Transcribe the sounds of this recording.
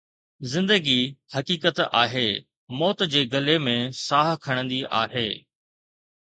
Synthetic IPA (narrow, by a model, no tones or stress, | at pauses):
zɪ̃nd̪əɡihɐkiːkət̪a̰ːɦeː | mɔːt̪d͡ʑeːɡɐlemẽsaːɦkʰɐɽ̃ə̃nd̪iʔa̰ːɦeː